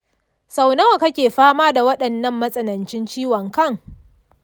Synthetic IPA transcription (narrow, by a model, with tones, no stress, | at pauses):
sa˨wnɐ˦wa˨kɐ˦kʲeː˨ɸaː˦maː˦da˨wɐ˦ɗɐ˨nːɐ˦mːɐ˦sʼɐ˨nɐ˨nt͡ʃɪ˦nt͡ʃiː˦wɐ˨ŋkɐ˦˨ŋ